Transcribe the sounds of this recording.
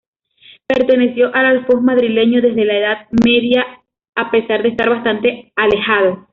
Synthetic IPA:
peɾt̪e̞ne̞sjo̞ʔalalfosmaðɾile̞ɲoðe̞zðe̞laeðaðmeðja | ape̞saɾðest̪aɾβast̪ant̪e̞ale̞xaðo

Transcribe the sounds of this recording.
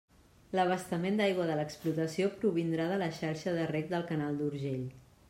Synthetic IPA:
ləβ̞əst̪əmend̪ajɣwəðələksplut̪əsiopɾuβind̪ɾaðələʃaɾʃəðərɛk̚d̪əlˠkənalˠd̪uɾʒeʎ

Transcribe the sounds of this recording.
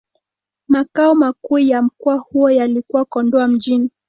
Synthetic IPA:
makaɔmakuːjam̩kuahujɔjalikuwakɔndɔam̩ʄini

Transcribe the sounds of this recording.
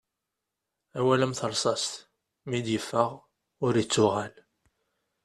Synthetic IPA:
æwæləmθəɾˤsˤɑst̪ | mid̪jəfːəʁ | ʊɾit͡sːʊʁæl

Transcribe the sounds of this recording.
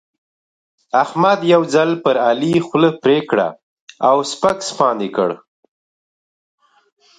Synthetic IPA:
ahmad̪jawd͡zalpəɾalixləpɾekɽa̰ | awspakspɑnd̪ekə̰ɽ

